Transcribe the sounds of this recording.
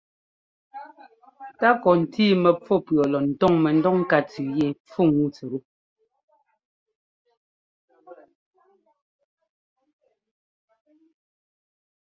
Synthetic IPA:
ta˦kɔ˨n̩˨tiː˦mɛ˨p͡fɔ˦˨pɰɔ˨lɔ˨n̩˨tɔ˦˨ŋmɛ˨n̩˦dɔ˦˨ŋ˦ka˦t͡sʉ˨je˦˨p͡fu˦˨ŋu˦t͡sɛ˨ɾu˦

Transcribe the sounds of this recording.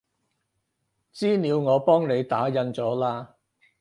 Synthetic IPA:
t͡siː˥niː˨˧wŋɔː˨˧pɔː˥ŋne˨˧jt̪aː˨˥jɐ˧nt͡sɔː˨˥laː˧

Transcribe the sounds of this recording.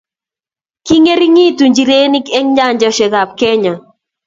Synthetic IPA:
ki˦ŋe˦ɾi˦ŋi˦tu˨ɲd͡ʒi˨ɾe˦ni˦ke˦ŋɲa˦˨ɲd͡ʒɔ˦ʃɛ˨ɡa˨p̚kɛ˦ɲa˨

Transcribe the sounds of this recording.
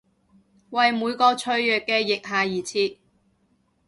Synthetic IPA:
wɐ˨jmuː˨˧jkɔː˧t͡ʃʰɵ˧ɥjœː˨˩kːɛː˧jɪ˨k̚ɦaː˨˩jiː˨˩t͡sʰiː˧

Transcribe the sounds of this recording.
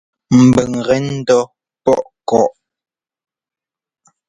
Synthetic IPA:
m̩˨bə˨ŋʁɛ˦n̩˦dɔ˦ | pɔ˦˨ʔ | kɔ˨ʔ

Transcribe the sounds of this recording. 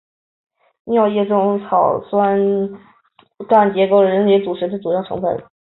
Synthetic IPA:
ni˧˥jɑ˥˧ʊjɛ˥˧ʈ͡ʂʊ˥˧ŋt͡sʰɑ˨˩ʊswa˥n | ka˥˩nt͡ɕjɛ˧˥ko˥˩ʊlə˩ɻə˧˥nljɛ˧˥t͡su˨˩ʂɻ̩˧˥t͡sʰa˥˩t͡su˨˩jɑ˥˩ʈ͡ʂʰɤ̰˧˥ŋfə̰˨˩nə˩

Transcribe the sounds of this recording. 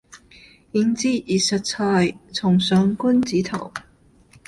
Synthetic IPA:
ji˧˥nt͡siː˥i˨˩sɐ˧t̚t͡sʰaː˧jt͡sʰʊ˨˩ŋsœː˨˥ŋku˥nt͡siː˨˥t̪ʰɐ̰˨˩w

